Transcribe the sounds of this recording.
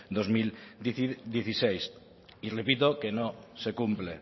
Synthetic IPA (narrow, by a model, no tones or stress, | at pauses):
d̪ozmilid̪jeθisejs | irepit̪okenosekumple